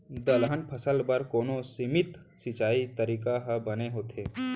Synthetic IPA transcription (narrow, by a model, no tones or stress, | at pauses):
d̪əlɦənpʰɐsəlbɐɾkoːnõsɪmɪt̪ | sɪt͡ʃaːit̪əɾiːkaɦəbɐneɦoːt̪ʰeː